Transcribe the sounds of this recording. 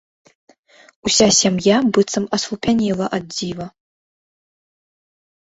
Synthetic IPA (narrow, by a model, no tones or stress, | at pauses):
usʲasʲamjabɨt̪sɐmɐsvupʲanʲilˠɐʔad̪̚d͡zʲivɐ